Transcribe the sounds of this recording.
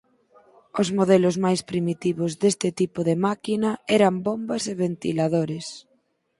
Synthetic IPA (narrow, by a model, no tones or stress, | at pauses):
ozmoðɛlozmajspɾimit̪iβozðest̪ɪt̪ipoðemakinɐɛɾambombɐseβent̪ḭlaðoɾes